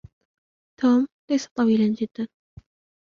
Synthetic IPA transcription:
t̪ʰoːmlajsḁt̪ˤɑwiːland͡ʒɪd̪ːan

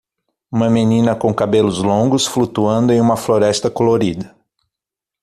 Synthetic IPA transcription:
ũmɐmenĩnɐkõkabelʊzlõɡʊsflut̪uɐ̃nd̪ʊẽũmɐfloɾɛst̪ɐkoloɾid̪ɐ

